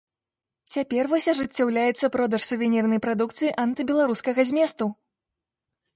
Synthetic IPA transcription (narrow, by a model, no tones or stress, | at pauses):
t͡sʲapʲɛrvɔsʲɐʐɨt͡sʲːawlʲajɛt̪sːɐpɾɔd̪ɐʂsʲuvʲɛnʲɛrnɐjpɾad̪ukt̪sɨjiʔɐnt̪ɨbʲɛlˠaɾuskɐɣɐzʲmʲɛst̪u